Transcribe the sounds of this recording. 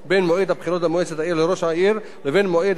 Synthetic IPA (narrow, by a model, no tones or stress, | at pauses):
benmoʔid̪hapχilot̪hamoet͡set̪aiɾleɾoʃaʔiɾ | levenmoʔid̪